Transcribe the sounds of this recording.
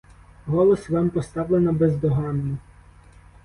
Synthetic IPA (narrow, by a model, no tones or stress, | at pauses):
ɦɔlˠɔsʋɑmpɔst̪ɑʋlˠenɐbezd̪ɔɦɑnːʊ